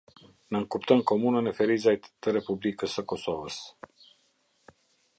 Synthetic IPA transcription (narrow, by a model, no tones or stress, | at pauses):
nəŋkupt̪əmkomunənefeɾizaj̪t̪əɾepublikəsəkosovəs